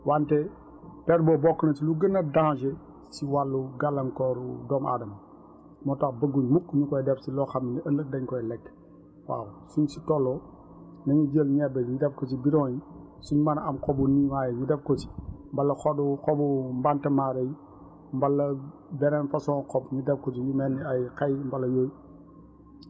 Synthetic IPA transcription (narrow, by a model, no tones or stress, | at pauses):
wantɛ | pɛɾ̚bɔbɔkːənɐt͡ʃiluɡənːɐdãːd͡ʒɛ | siwalːuɡalːɐŋkɔɾudɔma̰dɐmɐ | mɔtɐkbəɡːuɲmukːɲukɔjdɛfsilɔxɐminiəlːədɐɲkɔjlɛkː | wa̰ːwusuɲsitɔlːɔ | nɐɲud͡ʒəlɲɛbɛɲudɛfkɔt͡ʃibiɾɔ̃ːjisuɲmɐnɐmkɔbunimaːjɛɲudɛfkɔt͡ʃi̥mbɐlːɐxɔduxɔbumbantɐmaːɾɐj | mbɐlːɐbɛɾɛnfɐsɔ̃ːkɔbɲudɛfkɔt͡ʃijumɛnːiɐjkɛjmbɐlːɐjoːj